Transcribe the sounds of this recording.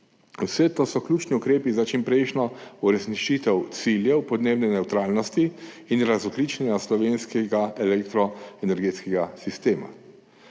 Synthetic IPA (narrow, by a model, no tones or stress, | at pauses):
usɛt̪osɔklʲuːt͡ʃniukɾeːpizat͡ʃimpɾɛjʃnɔuɾɛsniʃit̪ɛwt̪siljɛwpɔd̪neːbnɛnɛwt̪ɾaːlnɔst̪i | inɾazɔklit͡ʃɛnaslɔʋeːnskɛɡaɛlɛkt̪ɾɔɛnɛɾɡeːt̪skɛɡasist̪eːma̰